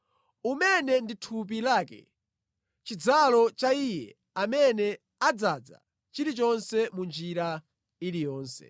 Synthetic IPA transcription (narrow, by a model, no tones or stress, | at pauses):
umɛnɛnditʰup̬ilaːkɛ̰ | t͡ʃid͡zalɔt͡ʃaijɛ̰ | amɛnɛ | ad͡zad͡za̰ | t͡ʃiɾit͡ʃɔnsɛmund͡ʒiɾa | ilijɔːnsɛ̰